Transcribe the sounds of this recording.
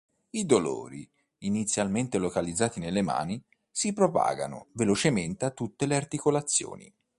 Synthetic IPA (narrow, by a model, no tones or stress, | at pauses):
id̪olo̰ːɾiː | nit̪sjalment̪elokalid̪zːaːt̪inelːema̰ːni | sipɾopa̰ːɡa̰no̰velot͡ʃement̪eat̪ːut̪ːeleart̪ikolat̪sːjo̰ːnḭ